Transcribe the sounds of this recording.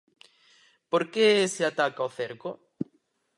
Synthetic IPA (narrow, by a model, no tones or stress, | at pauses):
poɾkeseat̪akaoθeɾko